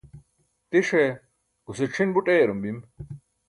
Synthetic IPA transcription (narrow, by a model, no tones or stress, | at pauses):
t̪iʂe | ɡ̥usiʈ͡ʂʰinbuʈʼeːɾumbim